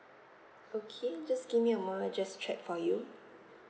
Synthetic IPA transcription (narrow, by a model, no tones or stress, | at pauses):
okʰed͡ʒasɡ̥ivmiəmɔlad͡ʒastʰɹɛt̚fɔju